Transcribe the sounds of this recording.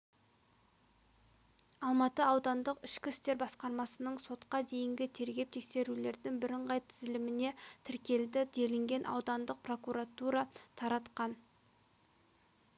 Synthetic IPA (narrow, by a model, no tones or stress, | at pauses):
ɑlˠmɑt̪əɑwd̪ɑnd̪əqɪʃkʲɪst̪e̞ɾbɑsqɑɾmɑsənəɴso̞t̪qɑd̪e̞jɪŋɡʲɪt̪ʰe̞ɾɡʲe̞p̚t̪ʰe̞kse̞ɾule̞ɾd̪ɪŋbɪɾəɴʁɑjt̪ʰɪzɪlɪmɪne̞t̪ʰɪɾkʲe̞ld̪ɪd̪elɪŋɡʲe̞nʔɑ̰wd̪ɑnd̪əq̚pro̞kuɾat̪uɾɑt̪ʰɑɾɑt̪qɑn